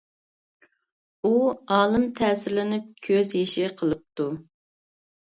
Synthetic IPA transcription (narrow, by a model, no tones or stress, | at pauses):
uɑːlˠɨmt̪ʰɛːsɪɾlɪnɪp̚kʲʰøzjeʃɪqʰəlˠɨp̚t̪u